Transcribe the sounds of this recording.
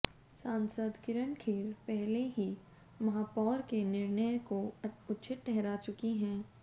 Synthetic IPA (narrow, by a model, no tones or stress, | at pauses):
sãːnsəd̪kɪɾəɳkʰiːɾpɛɦleɦi | mɐɦaːpɔːɾkenɪɾnəjkoʊtːʃʰɪʈːɛɦɾat͡ʃʊkiɦɛ̃ː